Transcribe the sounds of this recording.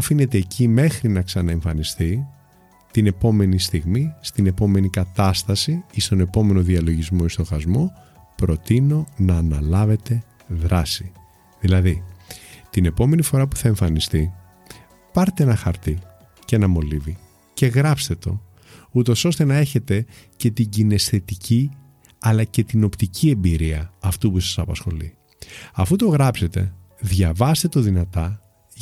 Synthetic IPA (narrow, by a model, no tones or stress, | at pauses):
ɐfine̞t̪e̞ːcime̞xɾinɐksɐnɐeɱfɐnist̪i | t̪ine̞po̞me̞nist̪iɣmist̪ine̞po̞me̞nikɐt̪ɐst̪ɐsiist̪o̞ne̞po̞me̞no̞ðiɐlo̞ʝizmo̞ist̪o̞xɐzmo̞ | pɾo̞t̪ino̞nɐːnɐlɐve̞t̪e̞ | ðɾɐsi | ðilɐði | t̪ine̞po̞me̞nifo̞ɾɐpu̥θɐe̞ɱfɐnist̪i | pɐɾt̪eenɐxɐɾt̪i | cenɐmo̞livi | ce̞ɣɾɐpst̪e̞t̪o̞̰ | ut̪o̞so̞st̪e̞nɐe̞çe̞t̪e̞ce̞t̪iɟine̞sθe̞t̪icʰi | ɐlɐce̞t̪ino̞pt̪icʰie̞mbiɾiɐɐft̪upusɐ̥sɐpɐsxo̞̰lḭ | ɐfut̪o̞ɣɾɐpse̞t̪e̞̰ | ðʝɐvɐst̪et̪oðinɐt̪ɐ